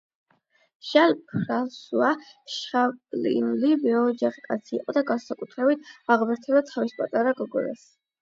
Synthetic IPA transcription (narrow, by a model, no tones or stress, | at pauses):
ʃalpʰɾalsuaʃapʼlḭnulibɛɔd͡ʒaχikʼat̪sʰiːqʼɔd̪aɡansakʼut̪ʰɾɛbit̪̚ʰaʁmɛɾt̪ʰɛbat̪ʰavispʼat̪ʼaɾaɡɔɡɔ̰ɾa̰s